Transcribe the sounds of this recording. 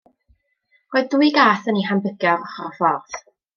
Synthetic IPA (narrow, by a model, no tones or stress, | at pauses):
roːɨðdwɨɡaːθəniɦambəɡ̥jɔvɔχɔfɔrθ